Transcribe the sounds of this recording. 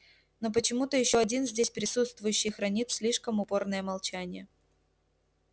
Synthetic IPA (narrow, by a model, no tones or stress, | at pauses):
no̞p̬ət͡ɕɪmut̪əjɪɕːoɐdʲinzʲdʲesʲpɾʲɪsut̪st̪vʊjʉɕːɪjxɾɐnʲit̪sʲlʲiʂkəmʊpo̞rnəjəmɐlˠt͡ɕænʲɪjə